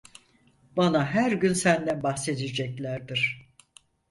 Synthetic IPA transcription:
b̥anaɦæɾɟynsænd̪ænbaxse̞d̪id͡ʒɛclʲæɾd̪iɾ̥

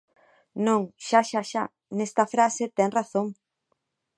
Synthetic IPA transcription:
nõŋʃaʃaʃa | nɛst̪ɐfɾaset̪ɛŋraθoŋ

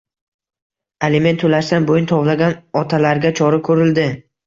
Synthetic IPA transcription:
alɪme̞nt̪ʰolaʃt̪anbojʊnt̪ʰɒvlaɡʲanɒt̪ʰalaɾɡʲat͡ʃʰɒɾakʰɵɾɪld̪ɪ

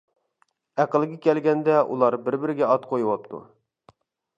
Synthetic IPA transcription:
æqəlˠɡʲɪkʲɛlɡʲɛnd̪ɛʔṵlˠɑɾbɪɾbɪɾɪɡʲɛɑt̪qʰojwɑp̚t̪ʰṵ

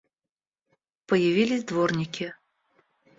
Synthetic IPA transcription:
pəjɐvʲilʲɪzʲd̪vornʲɪkʲɪ

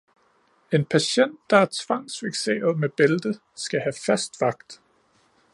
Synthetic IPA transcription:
e̝npʰæɕen̰d̥ːɑ̈æɐt͡sʰʋɑ̈ŋ̰sfeɡ̥se̝̰ːɐð̞̩ˠmeb̥eld̥ə | sɡ̥æhæfæsd̥ʋɑ̈ɡ̥d̥

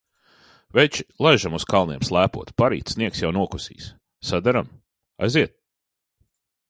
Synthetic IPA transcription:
vɛt͡ʃilˠajʒamuskalˠniɛmslˠæːpṵɔt̪paɾḭːt̪sniɛksjawnuɔkusḭːs | sad̪aɾam | a̰jziɛt̪̚

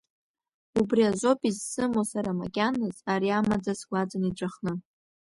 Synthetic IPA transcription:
ubriaʒʷo̞pʼizsɨmosaɾama̰kʲʼanɨzaɾiamad͡zasɡʷad͡zaniʈ͡ʂʷʼaχnɨ

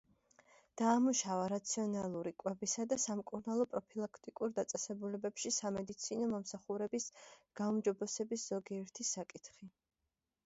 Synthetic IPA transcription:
d̪̥aːmuʃavaɾat̪sʰiɔnalˠuɾikʼwɛbisad̪asamkʼuɾnalˠɔpʼɾɔpʰilˠakʰt̪ʼikʼuɾd̪at̪sʼɛsɛbulɛbɛpʃisamɛd̪it̪sʰinɔmɔmsaχuɾɛbisɡ̥aumd͡ʒɔbɛsɛbisz̥ɔɡiɛɾt̪ʰisakʼit̪ʰχi

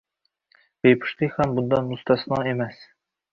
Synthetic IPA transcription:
bejpʰu̥ʃlɨkʲhɛmbund̪ɑnust̪ʰɑsɨnɨŋemɛs

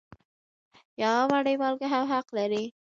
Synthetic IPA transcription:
jɑmaɽəjmɑlkaɦawɦaqlaɾi

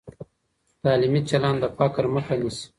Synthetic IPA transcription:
t̪ɑːlimit͡ʃalɑːnd̪əpakɾməxanis

